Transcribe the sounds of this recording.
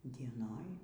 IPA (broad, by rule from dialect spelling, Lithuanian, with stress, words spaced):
dʲiɛˈnoːj